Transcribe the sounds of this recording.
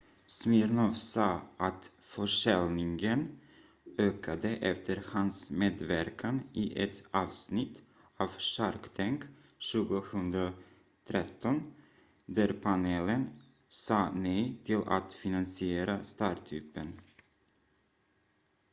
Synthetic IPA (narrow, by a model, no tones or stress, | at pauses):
smɪɾnɔvsɑːʔat̪ | fœʂɛlnɪŋɡən | øːkʰad̪əʔɛft̪ʰəɾhansmeːd̪væɾkʰanʔɪʔɛt̪ɑːvsnɪt̪ː | avʂaɾkt̪ʰɛŋk | ʃʉ̟ːɡʊhɵnd̪ɾa | t̪ʰɾɛt̪ʰːɔn | d̪æɾpʰaneːlən | sɑːnɛjt̪ʰɪla̰t̪fɪnansɪeːɾast̪ɑːʈʰʉːpːən